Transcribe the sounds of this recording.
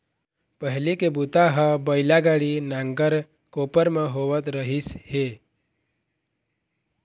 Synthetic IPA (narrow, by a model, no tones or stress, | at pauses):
pəɦlekebut̪aɦəbəjlaɡaɽinãŋɡəɾ | kopəɾmə̃ɦoʋət̪ɾəɦishe